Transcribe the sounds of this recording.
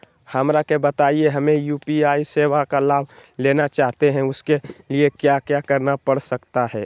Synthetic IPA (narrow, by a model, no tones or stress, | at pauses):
hɐmɾakebɐt̪aːieɦɐmẽjuːpiaːiseːʋakalaːbleːnat͡ʃaːɦt̪eɦɛ̃ʊskeliekjakjakɐɾnapɐɽsɐkt̪aɦɛː